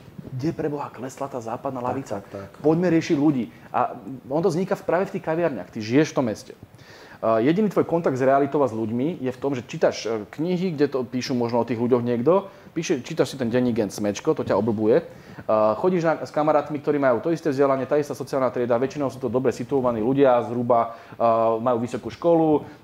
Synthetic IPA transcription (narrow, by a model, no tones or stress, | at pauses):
ɡɟɛpɾɛbɔɦaklɛslat̪aːzaːpad̪naːlaʋit͡sapɔɟmɛɾɪɛʃiɟluɟiː | ʔa̰ɔnt̪̬ɔzɲikafpɾaːʋɛft̪iːxkaʋiaɾɲa̰xt̪iʒijɛʃft̪ɔmːɛscɛ | jɛɟinit̪ʋɔjkɔnt̪aɡd̪zɾɛalit̪ɔʊazʎuɟmijɛft̪ɔmʒɛt͡ʃit̪aʃkɲiɦiɡɟɛt̪ɔpiːʃuːmɔʒnɔɔt̪iːɣluɟɔɣɲɪɛɡd̪ɔ | piːʃɛt͡ʃiːt̪aʃsit̪ɛnɟɛɲːiɡɛnt̪smɛt͡ʃkɔt̪ɔcaɔbl̩bujɛ | xɔɟiːʒnaskamaɾaːt̪mik̚t̪ɔɾiːmajuːt̪ɔist̪ɛːvzɟɛlaɲɪɛt̪aist̪aːsɔt͡sialnaːt̪ɾɪɛd̪aːʋɛt͡ʃinɔʊsuːt̪ɔd̪ɔbɾɛsit̪uɔʋaniːluɟɪazɦɾuba | majuːʋisɔkuːʃkɔlu